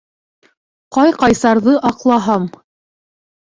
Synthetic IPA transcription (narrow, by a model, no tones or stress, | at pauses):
qɑjqɑjsɑɾðɤʔɑqlˠɑɦɑm